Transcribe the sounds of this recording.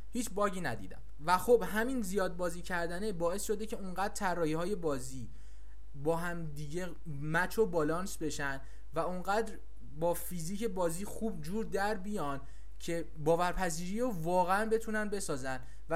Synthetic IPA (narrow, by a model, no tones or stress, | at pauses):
hiːt͡ʃʰbɒːɟiːnæd̪ḭːd̪æ̰m | væxobɦæminzijɒːd̪̚bɒːziːcʰæɾd̪æne̞bɒːe̞sʃo̞d̪e̞cʰe̞uŋɢæd̪ɾt̪ʰærːɒːhihɒːje̞bɒːziː | bɒːɦæmd̪iːɟe | mæt͡ʃʰobɒːlɒːnsbe̞ʃænd̪ | væuŋɢæːd̪ɾ | bɒːfiːziːce̞bɒːziːxuːbd͡ʒuːɾd̪æɾbijɒːn | cʰe̞ | bɒːvæɾpʰæziːɾiːɾovɒːɣeænbe̞t̪ʰunænbe̞sɒːzænd̪ | væ